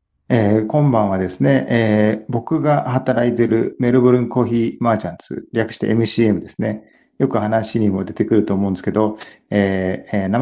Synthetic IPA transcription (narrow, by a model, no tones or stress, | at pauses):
eːkõ̞mbãɰ̃β̞ad̪e̞sɨne̞ʔːbo̞kɯ̟ɡahat̪aɾait̪e̞ɾɯ̟me̞ɾɯboɾɯ̟̃ŋko̞ːçiːmaːt͡ɕãnt͡sɨ̰ɾʲakɯ̥ɕi̥t̪ḛʔemɯ̟ɕiːe̞mɯ̟d̪esɨne̞ | jo̞kɯ̟hanaɕiɲ̟imo̞d̪e̞t̪e̞kɯ̟ɾɯ̟t̪o̞ːmõ̞ːnd̪eske̞d̪o | eːna